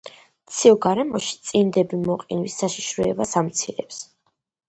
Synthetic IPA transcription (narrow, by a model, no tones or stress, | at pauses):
t̪sʰiɔɡaɾɛmɔʃi̥t̪sʼind̪ɛbimɔqʼinwisːaʃiʃɾɔɛbasamt̪sʰiɾɛ̰ps